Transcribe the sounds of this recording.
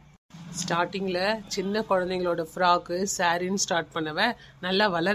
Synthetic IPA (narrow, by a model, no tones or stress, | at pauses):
sʈaːɾʈɪŋɡɐlɐt͡ʃɪnːɐkɔɻɐnd̪ɛŋɡɐɭoːɽɐfɪɾaːkːɯsaːɾɪnsʈaːɾʈ̚pɐɳːɐʋe | nɐlːaʋɐlɐɾ